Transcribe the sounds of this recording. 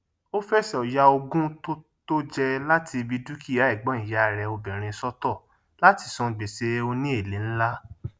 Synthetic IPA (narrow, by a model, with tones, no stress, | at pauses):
o˦fɛ˦sɛ˦˨ɔ˨ja˧o˧ɡũ˦to˦ | to˦d͡ʒɛ˧la˦tʰi˧bi˧du˦ki˦˨ja˨˦i˦˨ɡ͡bɔ̃˨˦ĩ˨ja˨˦˨ɾɛ˧o˧bɛ̃˨ɾ̃ĩ˧sɔ˦tɔ˦˨ | la˦ti˧sɔ̃˧˨ɡ͡be˨se˧o˧nĩ˦e˦˨le˨˦n̩˦la˦